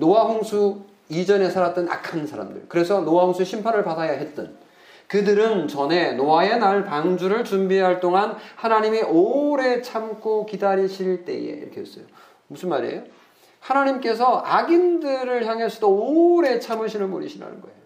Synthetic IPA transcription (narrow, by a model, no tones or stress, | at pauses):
nowaɸoŋsʰu | id͡ʑʌne̞sʰaɾat̚t͈ʌna̰kʰansʰaɾa̰mdɯ̰ɭkɯɾe̞sʰʌnoaɦoŋsʰueɕʰimpʰaɾɯɭpadajaɦe̞t̚t͈ʌn | kɯdɯɾɯnt͡ɕʌne̞noae̞naɭpaŋd͡ʑuɾɯɭt͡ɕumbiɦaɭt͈oŋanhanaɲimiʔoɾe̞t͡ɕʰamkʰokidaɾiɕʰiɭt͈e̞̰je̞̰iɾʌkʰees͈ʌjo | musʰɯnmaɾiḛjo | hanaɲimk͈e̞s̬ʰʌʔaɡindɯɾɯɭçjaŋɦeɭs͈ʰʌdooɾe̞t͡ɕʰamɯɕʰinɯnmo̰ɾḭɕʰina̰nɯ̰nɡʌḛjo